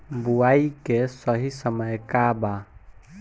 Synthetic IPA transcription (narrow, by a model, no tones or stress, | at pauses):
buaikesəɦisəməjkaba